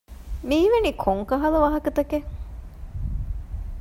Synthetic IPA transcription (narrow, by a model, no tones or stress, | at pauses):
miːʋenikʰoŋkɐɦɐlɐʋɐɦɐkɐt̪ɐke